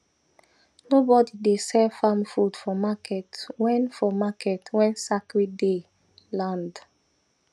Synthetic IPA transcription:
nobɔdidesɛfãmfudfɔmakʰɛtwɛ̃nfɔmakɛtʰwɛ̃nsakɹide | lãnd

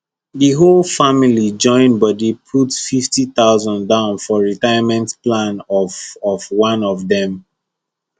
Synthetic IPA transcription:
ðəɦolfamilid͡ʒɔ̃ɪ̃nbɔdipʰutfiftiθaʊzɔ̃ndãʊ̃nfɔɹitajəmɛ̃ntplãnɔɔvwãnɔvðɛ̃m

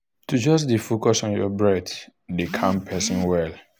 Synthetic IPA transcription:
tud͡ʒɔsdifokɔsɔ̃njɔ̰bɹɛddekʰãmpʰɛsĩnwɛl

